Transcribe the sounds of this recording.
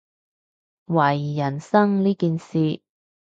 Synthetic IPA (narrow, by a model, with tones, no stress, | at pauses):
wɐ˨˩jːɐ˨˩nsɐ˥ŋliː˥kiː˧nsiː˨˧